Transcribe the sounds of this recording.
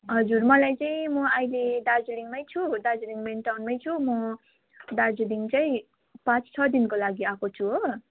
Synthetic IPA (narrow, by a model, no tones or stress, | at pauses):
ɦʌd͡zurmʌlajt͡saĩmʌajled̪ard͡zliŋmajt͡sʰud̪ard͡zliŋmenʈawnmajt͡sʰumʌ | d̪ard͡zliŋt͡saĩ | pãt͡st͡sʰʌd̪inkolaɡiakot͡sʰuɦo